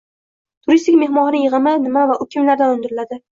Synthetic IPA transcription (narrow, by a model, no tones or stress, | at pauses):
t̪ʰʊɾist̪ɪkʲme̞hmɒʁnɪjɨʁɨmɪnɪmavaʔʊkʲʰɪmlaɾd̪anʊnd̪ɪɾɪlad̪ɪ